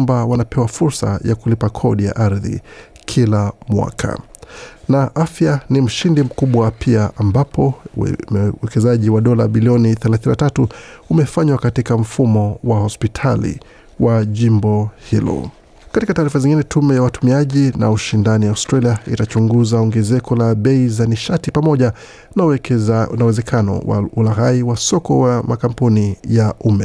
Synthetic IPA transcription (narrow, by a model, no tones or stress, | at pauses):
mbawanapɛwafuɾsa̰jakulipakʰɔɗija̰ʔaɾðḭ | kʰilamwa̰kʰa̰ | naʔafjanim̩ʃindim̩kuɓwapʰiaʔambapʰɔ | wɛkɛzaʄiwaɗɔlaɓiliɔniθɛlaθininatatuumɛfaɲwakatikam̩fumɔwahɔspitʰalḭ | waʄimbɔhilɔ̰ | katikataːɾifaziŋɡinɛtʰumɛjawatumiaʄina̰uʃindanijaustɾaliaḭtat͡ʃuŋɡuzaɔŋɡɛzɛkɔlaɓɛizaniʃatipamɔʄa | nauwɛzɛkʰanɔ̰wa̰ulaɣaiwasɔkɔwamakampunijaʔumɛ